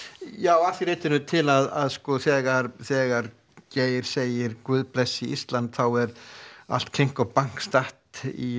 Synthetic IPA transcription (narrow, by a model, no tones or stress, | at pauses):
jaːwafɪɾeːt̪ɪnʏt̪ʰɪlaðaðskɔθɛːɣaɾθɛːɣaɾ | ceːjɪɾ̥seːjɪɾkvʏːðplɛsːiḭst̪lant̪θawɛɾa̰l̥t̪̚kʰlejŋ̥kɔpaŋ̥kst̪aht̪ḭ